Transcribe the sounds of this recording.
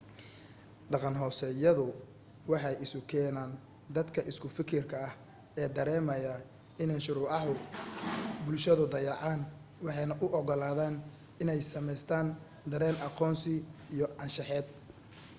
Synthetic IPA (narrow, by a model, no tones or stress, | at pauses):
ɖɑqɑnɦɔːsɛjɐðʊ | wɑħɑjɪsʊkʰɛːnaːn | d̪ɐd̪kʰɐʔɪskʰʊfɪkʰɪrkʰɐɐh | ɛːd̪ɐɾɛːmɐjɐ | ɪnɛnʃʊɾʊːʕɑɦʊ | bʊlʃɐðʊd̪ɐjɑʕɑːn | wɑħɑjnɐʔʊʔɔɣɔlaːðaːn | ɪnɛjsɐmɛjst̪ʰaːn | d̪ɐɾɛːnʔɑqɔːnsɪijɔʔɐnʃɑħɛːd̪̚